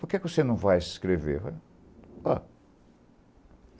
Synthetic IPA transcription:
pʊɾkɛkɪvosenɐ̃w̃vajsskɾevḛɾva | a

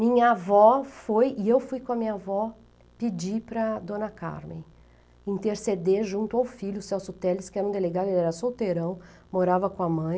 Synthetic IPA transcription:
mĩɲɐavɔfojɪewfujkõɐmĩɲɐavɔ | pid͡ʒipɾɐd̪õnɐka̰ɾmḛ̃j̃ | ĩnt̪eɾsed̪eʒũnt̪ʊawfiʎjʊsɛwsʊt̪ɛlɪskɪɛɾɐũd̪eleɡad̪ʊelɛɾɐsowt̪eɾɐ̃w̃ | moɾavɐkõɐmɐ̃j̃

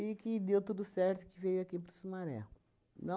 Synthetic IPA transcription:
ikɪd̪ewt̪ud̪usɛɾt̪ʊkɪvejʊakipɾusumaɾɛ̰lʊ | nɐ̃

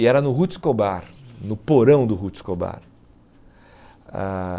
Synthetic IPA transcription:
ɛɾɐnʊɦut͡ʃɪ̥skobaɾnʊpoɾɐ̃w̃d̪ʊɦut͡ʃɪ̥skoba̰ɾ | a̰

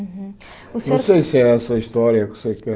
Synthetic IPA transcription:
nɐ̃w̃sejsɨɛɛsɐiʃt̪ɔɾiɐksekɛ

